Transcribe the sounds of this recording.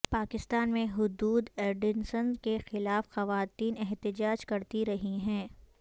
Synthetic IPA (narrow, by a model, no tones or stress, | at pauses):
paːkɪst̪aːnmẽɦʊd̪uːd̪eːɾɖɪnsənkexɪlaːfxɐʋaːt̪iːnɛɦt̪ɪd͡ʒaːd͡ʒkɐɾt̪iɾɐɦiɦɛ̃ː